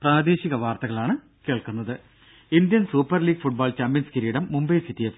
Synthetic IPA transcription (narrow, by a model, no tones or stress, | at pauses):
praːd̪e̞ːɕiɣɐʋaːrt̪ɐɣɐɭaːɳɨ | keːɭkunːɐðɨ | ind̪jɐnsuːpːɐrliːɡfuʈ̚baːlt͡ɕaːmpjɐnskiɾiːɽɐmːumbɐjsit̪ːijɐʋ